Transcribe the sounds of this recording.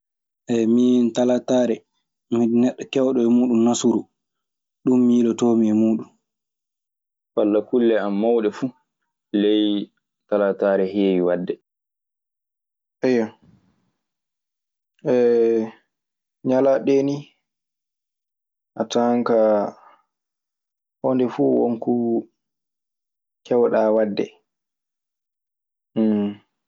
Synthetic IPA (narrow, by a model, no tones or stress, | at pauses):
ʔɛmintalataːɾɛ | miɗnɛɗːɔkɛwɗɔɛmuːɗumnasuɾu | ɗumːilɔtomiɛmuːɗun | falːakulːɛamːawɗɛfu | lɛj | talataːɾɛɦiwiwadːɛ | ʔɛjːa | ʔɛ | ɲalaɗeni | ʔataŋka | hɔndɛfuwoŋku | kʰɛwɗaːwadːɛ̰